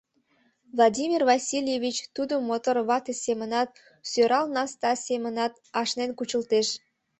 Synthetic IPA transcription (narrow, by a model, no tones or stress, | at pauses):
vlˠɑdʲimʲirvɑsʲilʲjevʲit͡ɕt̪ud̪əmot̪orβɑt̪esemənɑt̪̚ | søɾɑlnɑst̪ɑsemənɑt̪ | ɑʃnenkut͡ɕəlt̪eʃ